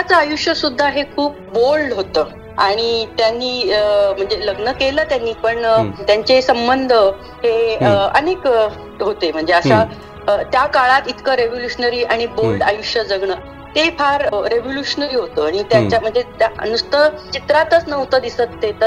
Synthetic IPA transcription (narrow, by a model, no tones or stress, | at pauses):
at͡səajuʂjəsud̪ʱːaɦekʰuːp̚bolɖɦot̪əː | aɽ̃it̪janːiəm̤əɳd͡zeləɡnəkeləːt̪janːiːpəɳt̪jaɲt͡ɕesəmbənd̪ʱə | ɦeəə̰nek | ɦot̪em̤əɳd͡zeasa | ət̪jakaɭat̪it̪kəɾeʋoljuɕnəɾiːaɽ̃ibolɖajuʂjəd͡zəɡɳəː | t̪efʰaɾɾeʋoljuɕənəɾiːɦot̪əaɽ̃it̪jaɲt͡ɕjam̤əɳd͡zet̪nust̪ət͡ɕit̪ɾat̪ət͡snəʋt̪əd̪isət̪ːet̪ə